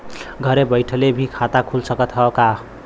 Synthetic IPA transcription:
ɡʱʌɾebʌjʈʰʌlebʱikʰat̪akʰulsʌkʌt̪ʰʌka

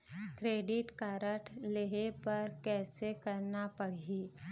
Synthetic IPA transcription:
kɾeːɖɪʈkaːɾəʈʰleɦepɐɾkɛːsekɐɾnapɐɽ̤iː

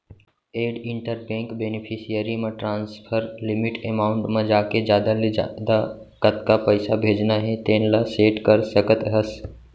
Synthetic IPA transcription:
eːɖɪɳʈəɾbẽːŋkbenipʰisijəɾimẽʈɾãːnspʰəɾlimɪʈemaːʊɳʈmẽd͡ʒaːked͡ʒaːd̪ad̪a | kət̪kapəɪsabʱeːd͡ʒnaɦet̪eːnlaseːʈkəɾsəkət̪ɦəs

